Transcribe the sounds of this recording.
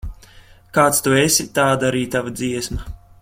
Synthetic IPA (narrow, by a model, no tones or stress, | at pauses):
kaːt̪st̪uesʲit̪aːd̪aɾiːt̪avad̪ziɛsmɐ